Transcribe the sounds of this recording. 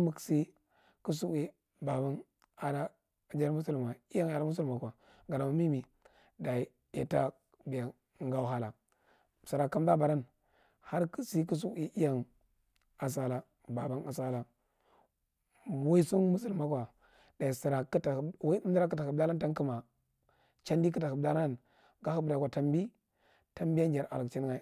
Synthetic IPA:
mu˨ksi˦ | ku˦s̬u˦i˦ | ba˨ba˦n | a˨da˦˨ | d͡ʒa˦ɾmu˦su˦lm˨a˨i˦ja˦ŋa˨ɾa˦mu˦s̬u˦lma˨ka˨ | ɡa˨da˨ma˨mi˦mi˨ | da˨ | ḛ˨ta˦ | bi˨ja˨ | ŋ˦ɡa˦u˦ɦa˦la˨ | si˨ɾa˨ka˦mda˦ba˨ɾa˦n | ha˦ɾksi˦k̬u˦s̬u˦i˦ʔi˦ja˦ŋ | a˨s̬a˦la˦ | ba˨ba˦na˨sa˦la˦˨ | wo˦i˦su˦nmu˦si˨lma˦kʷwa˨ | da˨i˨si˨ɾa˨kta˨wda˦k̬ə˦a˨kə˨bda˦la˦nta˦n˦ki˦ma˨ | t͡ʃa˦ndi˦k̬ə˦ta˨ku˨bda˦la˦n | ɡa˦hu˦bda˨kʷwʷa˨ta˦mbi˦ | ta˦mbi˦ja˦n˦d͡ʒa˨ɾʔa̰˨lə˨kt͡ʃi˦n˦ŋa˦

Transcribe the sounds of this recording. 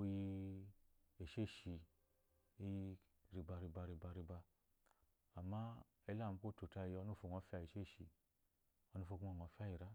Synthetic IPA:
o˧ji˧ | e˨ʃe˦˨ʃi˧˦ | i˧˨ | ɾi˨˧ba˧ɾi˧ba˧˨ɾi˧ba˧ɾi˧ba˧˨ | ma˦ | e˧˦la˦˨mu˧ko˦to˨ta˧ji˧ɔ˧˦nu˦˨fo˧˨ŋɔ˧˦fi˦a˧˨i˨ʃe˦˨ʃi˧ | ɔ˧nu˦fo˧ku˦ɔ˧˨ŋ˨ɔ˨˧˦fa˦˨ji˨ɾa˦

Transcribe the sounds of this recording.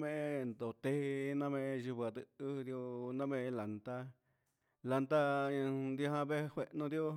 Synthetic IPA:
mẽ˧ʔnd̪o˨t̪e˧˦˧nã˦mẽ˧ʔʃu˧ba˨t̪ɨ˧˨ɨ˦˧d̪jo˦˧nã˦mẽ˧la˨nt̪a˧ | la˨nt̪ã˧nd̪o˧ɦã˧be˦hwe˨ʔnõ˦˧d̪jo˦

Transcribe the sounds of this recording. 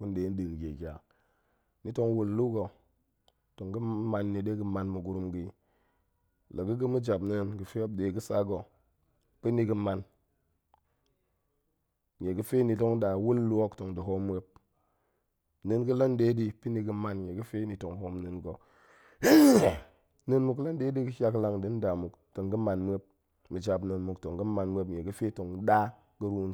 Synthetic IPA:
ku˦n˦de˨˦n˦di˨n˨ɡe˨kʲa˨ | ni˨˦to˦ŋwu˨lːu˦ɡo˨ | to˨ŋɡə˦ma˨nːi˨ɗe˦ɡə˦ma˨nmu˨ɡu˨˦ɾu˦mɡi˦ | lə˨ɡə˦ɡə˦mə˦d͡ʒa˨bnə˦nɡə˨fe˦we˦b̚ɗe˨˦ɡə˦sa˦ɡo˨ | pi˦ni˨˦ɡə˦ma˨n | ɲe˨ɡə˦fe˦ni˨to˦ŋ˦ɗa˨wu˦lːo˦kto˨ŋdi˨ɦo˦mːʷ˦e˧˦p̚ | nɨ˨nɡɨ˦la˦nde˦di˧pi˦ni˧ɡɨ˧ma˨nɲe˨ɡɨ˦fe˦ni˨to˨ŋɦo˧mnɨ˨nɡo˨˦ | nɨ˦˧nmu˨k̬la˦nde˦di˦kɨ˦ʃʲa˧kla˧ŋdi˨˦n˦da˨mu˨kto˨ŋɡə˦ma˨nmʷ˦e˦p̚ | mɨ˨d͡ʒa˨pnɨ˨nmu˨kto˨ŋɡə˦ma˧nmʷ˦e˧pɲe˨ɡɨ˦fe˦to˨ŋ˦ɗa˦ | kə˦ɾu˦n

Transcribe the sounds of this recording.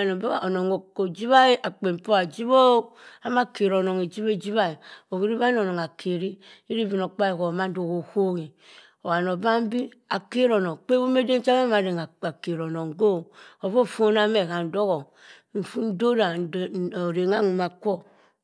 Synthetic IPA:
no˨be˦a˨ʔo˨no˨ŋo˨o˨d͡ʒi˦βa˦i˦ʔa˨k͡pe˨m˨po˦a˨d͡ʒi˦bo˦a˨ma˦ke˨ɾo˨no˨ŋe˨d͡ʒi˦βe˦d͡ʒi˦βa˦i˨o˨ki˦ɾi˦βa˦n˦o˨no˨ŋa˨kʰe˨ɾi˦ | i˦ɾi˦˨vi˨no˨k͡pa˦i˨ko˨ma˦n̩˦do˨ko˨ho˦ɣi˨ | o˨wa˨no˨ba˦m̩˦bi˦ | a˨ke˦ɾo˨no˨ŋ˨k͡pe˦bo˦m˦e˦de˦n̩˦t͡ʃa˦a˦ma˨ɾe˨ŋa˨ke˨ɾo˨no˨ŋɡo˦˨o˨vo˦˨fo˦na˦me˨ka˨n̩˨do˦ɣo˨ | n̩˨fu˦n̩˦do˦ɾa˨o˨ɾe˨ŋa˦ŋu˨ma˨kʷo˦

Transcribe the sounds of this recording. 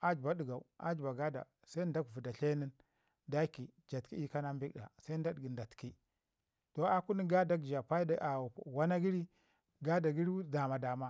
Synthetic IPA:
a˦d͡ʒba˨˦di˨ɡa˨u˨a̰˦d͡ʒba˨ɡa˦da̰˨ | sa˦i˦nda˦kvu˨da˨ɬe˦ni˦n | da˦ki˨d͡ʒa˨tki˦i˦ka˦na˦mbi˦kda̰˨sa˦i˦n˦da˦dɡi˨nda˨tki˦ | to˨a˦ku˦ni˦ɡa˦da˦kd͡ʒa˨pa˦i˦da˨wa˦na˦ɡi˦ɾi˦ | ɡa˦da˨ɡi˦ɾi˦da˨ma˨da˨ma˦

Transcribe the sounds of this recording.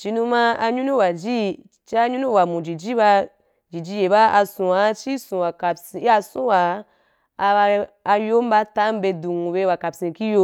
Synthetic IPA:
t͡ʃi˧nũ˧ma˦a˧ɲu˦nu˦wa˨d͡ʒi˦˨ | t͡ʃi˦a˧ɲu˦nũ˦wa˨mũ˨d͡ʒi˨d͡ʒi˦ba˧ | d͡ʒi˨d͡ʒi˧je˨ba˦a˧sũ˨wa˨˦t͡ʃi˦sũ˨wa˨ka˨si˧˨˦a˧sũ˦wa˨˧ | jo˦m˦ba˦ta˦m˦be˧dũ˨ŋu˨be˧˦wa˨ka˨psĩ˧ki˦jo˧˦

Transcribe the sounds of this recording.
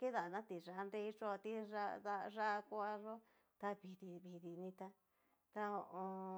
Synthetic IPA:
ke˦ða˨nã˦t̪i˨ʐa˧ʔnɾe˦˧i˦t͡ʃo˦˧t̪i˦ʐa˦ða˧ʐa˦ʔkʷa˦a˧ʐo˦ | t̪a˧βi˨ði˧βi˨ði˧nĩ˧t̪a˧ | t̪a˦o˧ʔõ˧

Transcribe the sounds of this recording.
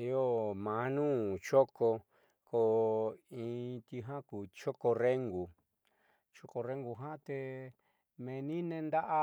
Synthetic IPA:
i˧˦o˦˨mã˨˦nũː˦t͡ʃo˦ko˧ | ko˧˨ĩ˧t̪i˧ɦã˦kuː˨t͡ʃo˦ko˧re˦ŋɡu˨ | t͡ʃo˦ko˧ɾe˦ŋɡu˧˨ɦã˦t̪e˧ | mẽ˧nĩ˦nẽ˧nd̪a˦ʔa˦

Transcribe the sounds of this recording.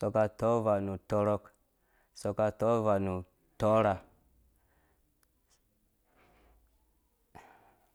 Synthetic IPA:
sɔ˨ka˨tɔ˦va˨nu˨tɔ˦ɾɔ˦k | sɔ˨ka˧tɔ˦va˨nu˨ | tɔ˦ɾa˨

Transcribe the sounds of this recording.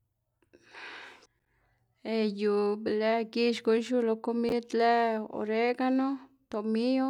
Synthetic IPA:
e˧ju˨ble˦ɡi˦ʃɡo˧jʃu˦lo˧ko˧mi˦d̪le˦o̰˧ɾe˦ɡa˦no˦ | t̪o˨mi˦jo˦

